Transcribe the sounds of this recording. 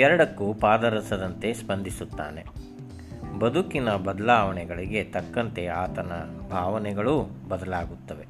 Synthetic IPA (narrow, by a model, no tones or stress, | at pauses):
ɛɾɐɽɐkːupaːd̪ɐɾɐsɐd̪ɐnt̪e̞spɐnd̪ʱisut̪ːa̰ːne̞ | bɐd̪ʱukinɐbɐd̪ɐlaːʋɐɳɛɡɐɭiɡe̞t̪ɐkːɐnt̪e̞aːt̪ɐnɐbʱaːʋɐnɛɡɐɭubɐd̪ɐlaːɡut̪ːɐʋe̞